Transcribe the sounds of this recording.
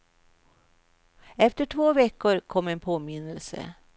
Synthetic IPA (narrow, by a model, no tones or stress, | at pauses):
ɛft̪əʈʰvoːvɛkːʊɾkʰɔmːɛnpʰoːmɪnːəlsə̰